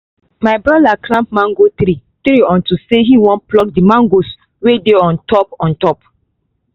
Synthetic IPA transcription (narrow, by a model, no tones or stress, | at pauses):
maɪbɹɔdaklãmp̚mãŋɡot̪ɾitɾiɔ̃ntuseɦiwɔ̃nplɔk̚dimãŋɡos | wedeɔ̃ntɔpɔ̃ntɔp